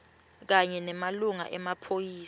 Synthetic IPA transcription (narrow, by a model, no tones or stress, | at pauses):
k̬aɲɛnɛmaluŋa̰ʔɛmapʰojiː